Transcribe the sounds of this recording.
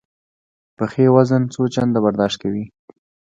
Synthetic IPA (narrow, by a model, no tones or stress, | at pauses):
pəxewazənt͡sot͡ʃand̪abaɾd̪ɑʃt̪̚kawi